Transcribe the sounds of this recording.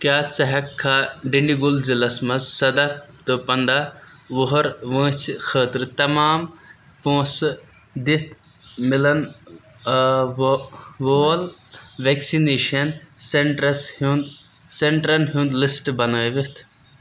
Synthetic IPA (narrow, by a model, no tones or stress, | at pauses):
kjaːt͡sɐɦɐkʰːaːɖiɳɖiɡulzilɐsmɐzsɐd̪ɐt̪ɨpɐnd̪a | ʋoɦɐɾʋə̃ːt͡ʃʰxʰəːt̪ɾɨt̪ɐmaːm | põːs | d̪it̪ʰ | milɐn | ʋoːlʋeːksineːʃɐnseɳʈɾɐshund̪ | seɳʈɾɐnɦũːnd̪lisʈbɐnaːʋit̪ʰ